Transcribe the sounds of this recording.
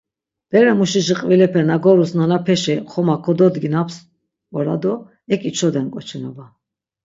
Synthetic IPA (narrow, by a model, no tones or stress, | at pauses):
d̪̥ɛɾɛmuʃiʃiqʼvilɛpʰɛnaɡɔɾusnanapʰɛʃɛχɔmakʰɔd̪ɔd̪ɡinaps | ɔɾa̰d̪ɔ | ɛkʼit͡ʃʰɔd̪ɛnkʼɔt͡ʃʰɛnɔba